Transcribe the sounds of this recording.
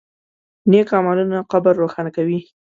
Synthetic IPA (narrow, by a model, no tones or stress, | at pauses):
nekɑmɑlunaqabaɾːoxɑnakawi